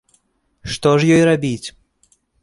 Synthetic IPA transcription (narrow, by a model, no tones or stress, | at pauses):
ʂt̪ɔʐjɔjrabʲit͡sʲ